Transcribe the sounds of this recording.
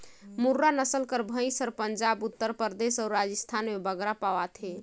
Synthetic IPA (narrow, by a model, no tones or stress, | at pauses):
muɾːanəsəlkəɾbʱə̃j̃səɾpəɲd͡ʒabut̪ːəɾpəɾd̪esaʊɾad͡ʒəst̪ʰanmebəɡɾapaʋat̪ʰɦe